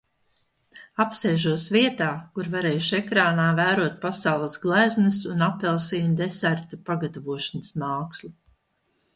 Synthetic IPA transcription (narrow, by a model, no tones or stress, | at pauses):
apsɛːʒuɔsviɛt̪aːkuɾvaɾɛːjuʃekɾaːnaːvæːɾuɔt̪̚pasawlˠɐsɡlˠæznɨsunapːɛlˠsiːnʲd̪esæɾt̪apaɡat̪avuɔʃanəsmaːkslˠi